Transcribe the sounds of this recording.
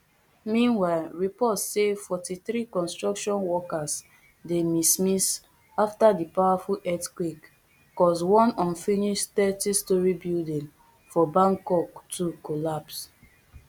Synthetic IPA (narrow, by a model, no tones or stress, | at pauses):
mĩnwaɪlɹipɔtsefɔtiθɹikɔ̃nstɹɔkʃɔ̃nwɔkas | demismis | aftadipawafulʔɛtkwik | kɔswɔ̃nɔ̃nfiniʃtɛtistɔɹibildĩn | fɔbãŋkɔktʰukolaps